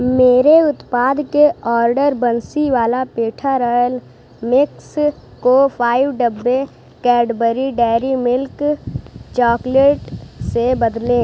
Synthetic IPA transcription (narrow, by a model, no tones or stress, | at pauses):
meːɾeʊt̪paːd̪keɔːɾɖəɾbənsiʋaːlapeːʈʰaɾɔːjəl | mɪks | kopʰaːɪwɖəbːe | kɛːɖbəɾiɖɛːɾimɪlk | t͡ʃɔːkleːʈsebəd̪lẽː